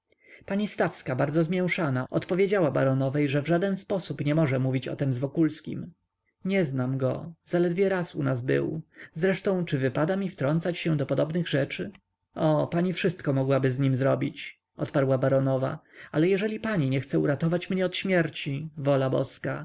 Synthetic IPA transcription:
paɲist̪afskabaɾdzɔzmʲjɛw̃ʂanaʔɔt̪pɔvʲjed͡ʑawaba̰ɾɔnɔvɛjʐɛvʐad̪ɛnspɔsupɲɛmɔʐɛmuvʲit͡ɕɔ̰t̪ɛmzvɔkulskʲḭm | ɲɛznamɡɔ̰zalɛd̪vʲjɛɾasṵnazbɘ̰wzɾɛʂt̪ɔ̃w̃t͡ʂɘvɘpad̪amʲift̪ɾɔnt̪sat͡ɕɕɛ̃d̪ɔpɔd̪ɔbnɘɣʐɛt͡ʂɘ | ɔpaɲifʂɘst̪̚kɔmɔɡwabɘzɲimzɾɔbʲit͡ɕ | ʔɔ̰t̪paɾwabaɾɔnɔva̰alɛjɛʐɛlʲipaɲiɲɛxt̪sɛuɾat̪ɔvat͡ɕmɲɛɔt̪ɕmʲjɛɾt͡ɕivɔlabɔ̰ska

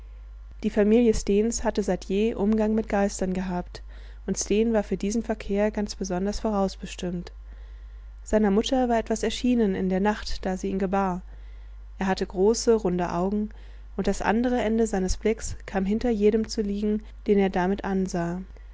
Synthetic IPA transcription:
d̥iːfamiːljəsteːnshatəzaɪtjeːʔʊmɡaŋmɪt̚ɡ̥aɪstɐnɡəɦaːpt | ʔʊntsteːnvaːɐfyːɐdiːzn̩fɛɐkʰeːɐɡant͡sb̥əzɔndɐsfoːʁaʊsb̥əʃtɪmt | z̥aɪnɐmʊtʰɐvaːɐʔɛtv̥asɛɐʃiːnənɪ̰ndeːɐnaχtd̥aːziːiːnɡəbaːɐ | ʔeːɐɦatəɡʁoːsəʁʊndəʔa̰ʊɡŋ̩ | ʔʊntd̥asʔa̰ndəʁ̞əʔɛndəzaɪnəsb̥lɪkskʰaːmɦɪntɐjeːɾəmt͡suliːɡŋ̩ | d̥eːneːɐdamɪtʔanzaː

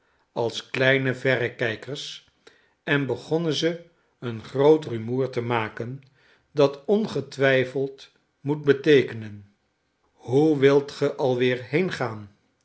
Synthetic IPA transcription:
ɑlˠsklɛjnəvɛɾəkɛjkəɹs | ɛnbəχɔnənzə | ənχrowtrymuːɹtəmaːkən | dɑtɔnχətʋɛjfəlˠt | mut̚bətejkənən | hɦuʋɪlˠtχəʔɑlˠʋɪːɹɦejnχaːn

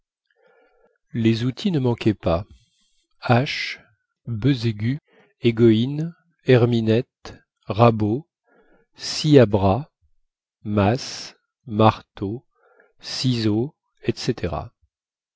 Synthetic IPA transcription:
lezut̪ʰinəmɑ̃kʲʰɛpa | aʃ | bøzeɡʲy | eɡɔin | ɛʁminɛt̪ | ʁabo | siabʁa | mas | maʁt̪o | sizo | ɛt̪set̪ʰeʁa̰

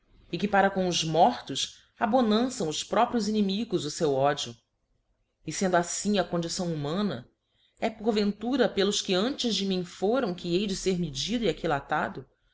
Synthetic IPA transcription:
ɪkɪpaɾɐkõʊzmɔχt̪ʊs | abonɐ̃sɐ̃w̃ʊspɾɔpɾjʊzinimiɡʊzʊsewɔd͡ʒiʊ | ɪsẽnd̪ʊasĩŋɐkõnd͡ʒisɐ̃w̃umɐ̃nɐ | ɛpoɾvẽnt̪uɾɐpelʊskɪɐ̃nt͡ʃɪzd͡ʒɪmĩfoɾɐ̃w̃kɪejd͡ʒɪseɾmid͡ʒid̪ʊiakilat̪ad̪ʊ

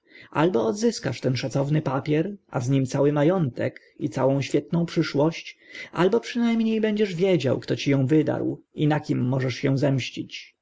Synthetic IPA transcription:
ʔa̰lbɔːd̪zɘskaʂt̪ɛnʂat̪sɔvnɘpapʲjɛɾʔa̰zɲimt̪sawɘmajɔnt̪ɛ̰k | it̪sawɔ̃w̃ɕfʲjɛt̪nɔ̃w̃pʂɘʂwɔɕt͡ɕʔalbɔpʂɘnajmɲejbɛɲd͡ʑɛʐvʲjed͡ʑa̰wkt̪ɔt͡ɕijɔ̃w̃vɘd̪a̰ɾwinakʲimːɔʐɛʂjɛ̃w̃zɛmɕt͡ɕit͡ɕ

